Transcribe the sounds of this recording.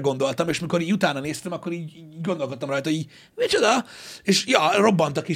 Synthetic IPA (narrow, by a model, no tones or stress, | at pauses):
ɡo̞nd̪o̞lt̪ɒmeːʃmiko̞ɾiːɟut̪aːnɒneːst̪ɛmɒkːo̞ɾiːɟiːɡond̪olko̞t̪ːɒmrɒjt̪ɒɦoiːɟ | mit͡ʃod̪ɒeʃjɒro̞bːɒnt̪ɒke